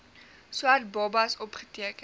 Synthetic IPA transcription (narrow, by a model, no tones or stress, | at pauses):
suɦɐt̚bɔbɐsɔpχə̥tiəkə